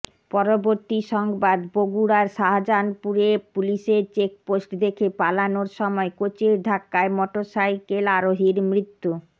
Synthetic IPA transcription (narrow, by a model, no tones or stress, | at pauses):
pɔɾoboɾt̪iʃɔŋbad̪boɡuɽaɾʃaɦad͡ʑanpuɾepuliʃeɾt͡ɕek̚posʈd̪ekʰepalanoɾʃɔmɔekot͡ɕeɾɖʱakːaemɔʈosajkelaɾoɦiɾmɾit̪ːu